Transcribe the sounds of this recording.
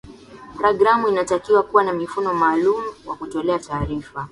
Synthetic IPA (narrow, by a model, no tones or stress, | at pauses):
paɾɔɡɾamuinatakiwakuwanamifunɔmaːlumuwakutɔlɛataːɾifa